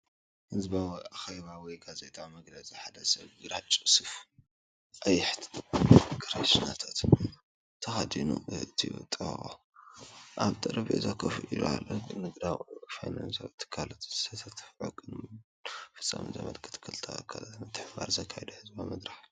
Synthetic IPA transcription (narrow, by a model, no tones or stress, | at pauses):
hɨzbawaxeβawɔjɡazet̪ʼamɐɡlɐziħad̪ɐsɐβɡɨɾat͡ʃʼɨsɨf | ʔɐjɪħt̪ | kʰɨɾaʃnat̪ʰat̪ | t̪ʰːɐxad̪inṵt̪ʰiwɔ̰t̪ʼʕo | ʔaβt̪ʼɐɾɐβʔezakʰɐfɨʔid̪ṵa̰lːoɡɨnɨɡd̪awfajnansaβt̪ʰːɨ̥kʰːalot̪zɨ̥sʰɐt̪ʰɐt̪ʰɨ̥fʕuɡʼɨn | fɨ̥t͡sʼːa̰mɨnzɐ̰mɐ̰lkʰɨ̥t̪ʰkʰːɨlt̪ʰa̰kʰɐnɨt̪ʰɨħba̰ɾzɐkʰːajɛd̪ɐhɨzbamɐd̪ɾaħ